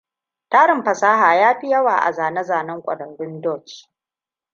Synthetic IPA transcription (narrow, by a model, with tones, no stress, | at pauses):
taː˦ɽɪ˨mɸɐ˨saː˦ɦaː˨jaː˦ɸi˦jɐ˦waː˨ʔa̰˨zaː˨nɐ˦zaː˨nɐ˦ŋkʷʼɐ̰˨ɽɐ˨nɽʊ˦ndɔ˦˨t͡ʃ